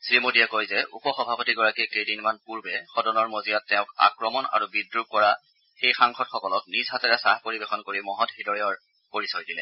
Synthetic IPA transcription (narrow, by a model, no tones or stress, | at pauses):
sɹimodijakojzɛʔṵpɔxɔbʱapɔtiɡɔɹakikejdinmanpuɹbɛxɔdɔnɔɹmozijatːɛʊ̃ka̰kɹɔmɔna̰ɹubidɹub̚kɔɹa | xejxaŋxɔtxɔkɔlɔk̚nizɦatɛɹasahpoɹibexɔnkoɹimɔɦɔtxidɔɹijɔɹ | poɹisɔjdilɛ̰